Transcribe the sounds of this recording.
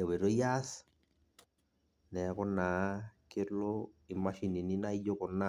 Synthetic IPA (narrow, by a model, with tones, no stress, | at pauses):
ɛ˨we˨ɾo˦ja˦s | nɛ˨˦kɔ˦nːa˨ke˦ɾloi˨ma˦ʃi˨ni˨ni˦na˦i˦jo˦kɔ˨nːa